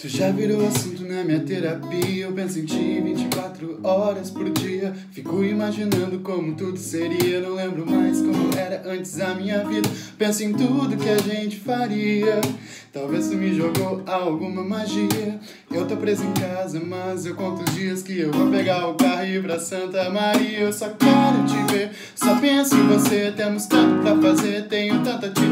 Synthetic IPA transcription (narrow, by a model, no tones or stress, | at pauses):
t̪uʒaviɾowasũnt̪ʊnɐmĩɲɐt̪eɾapiɐewpẽsʊẽj̃t͡ʃivĩt͡ʃɪ̥kwat̪ɾʊɔɾɐspoɾd͡ʒiɐ | fikowimaʒinɐ̃nd̪ʊkõmʊt̪ud̪ʊseɾiɐewnɐ̃w̃lẽmbɾʊmajskõmʊɛɾɐʔɐ̃nt͡ʃɪ̥zɐmĩɲɐvid̪ɐpẽsʊẽj̃t̪ud̪ʊkɪaʒẽt͡ʃɪ̥faɾiɐ | t̪awvest̪umɪʒoɡowawɡũmɐmaʒiɐ | ewt̪owpɾezʊẽkazɐmɐzewkõt̪ʊzd͡ʒiɐskɪewvopeɡaɾʊkahipɾɐsɐ̃nt̪ɐmaɾiɐewsɔkɛɾʊt͡ʃɪveɾ | sɔpẽsʊɪ̃voset̪ẽmʊst̪ɐ̃nt̪ʊpɾɐfazeɾt̪ẽɲʊt̪ɐ̃nt̪ɐt͡ʃi